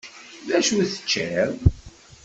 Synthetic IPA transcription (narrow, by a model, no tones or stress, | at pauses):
ðæʃuθə̥t͡ʃːæɾ